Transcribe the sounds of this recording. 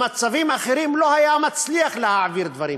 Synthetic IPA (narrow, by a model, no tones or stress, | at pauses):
mat͡savimaχeɾimlohajamat͡sliaχlehaʕviɾd̪vaɾḭm